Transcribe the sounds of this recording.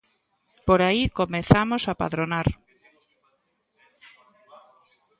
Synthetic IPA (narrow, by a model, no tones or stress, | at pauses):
poɾaikomẽθamosapa̰ðɾonaɾ